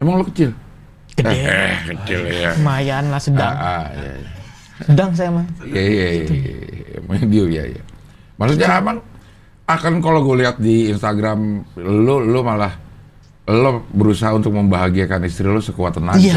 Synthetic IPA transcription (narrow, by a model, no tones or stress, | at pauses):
amaŋlokət͡ʃɪl | kəɛhkət͡ʃɪljamajanlahsədaŋʔaja̰j | sədaŋs̬ajamaŋjaja̰ | a̰mdiuja̰ja̰ | maksut̪̬̚ɲaamaŋ | akankaloɡualiɦat̪̚diːnst̪aɡɾamlolomalah | lobəɾusaɦaunt̪ʊk̚məmbaɦaɡiakanist̪ɾilosəkuat̪ənaa